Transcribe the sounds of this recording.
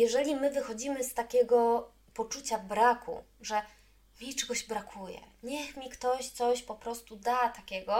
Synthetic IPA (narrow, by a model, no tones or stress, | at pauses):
jɛʐɛlʲimɘvɘxɔd͡ʑimɘst̪akʲɛɡɔ | pɔt͡ʂut͡ɕavbɾakṵ | ʐɛ | mʲit͡ʂɛɡɔʑbɾakʰujɛ̰ɲɛxmʲikt̪ɔɕt̪sɔɕpɔpɾɔst̪ud̪at̪akʲɛɡɔ